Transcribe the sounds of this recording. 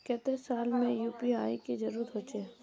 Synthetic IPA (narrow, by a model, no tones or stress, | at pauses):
kɛt̪esaːlmẽjuːpiaːiked͡ʒɐɾuət̪ɦoːt͡ʃe